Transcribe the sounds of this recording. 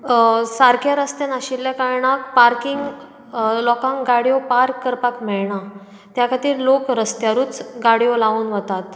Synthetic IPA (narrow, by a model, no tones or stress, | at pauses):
saɾkjaɾəst̪janaɕilːjakaɾɳakpaɾkiŋɡ | lɔkãŋɡɡaɽijopaɾkːəɾpakm̤ɛɭɳa | t̪jakʰat̪iːɾlokɾəst̪jaɾuːt͡sɡaɽijolauːnʋət̪at̪